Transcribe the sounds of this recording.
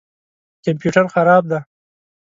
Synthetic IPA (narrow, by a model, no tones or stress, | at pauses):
kampjuʈaɾxaɾɑb̚d̪a